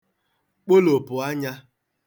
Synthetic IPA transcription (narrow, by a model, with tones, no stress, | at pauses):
k͡po˦lo˨pʊ˨a˦ɲa˦